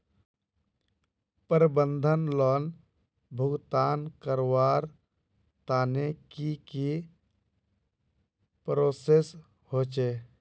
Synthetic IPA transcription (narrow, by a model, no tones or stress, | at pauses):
pəɾbənd̪ʱənlɔn | bʱʊɡt̪aːnkəɾwaːɾ | t̪aːnekiki | pɾoːses | hot͡ʃeː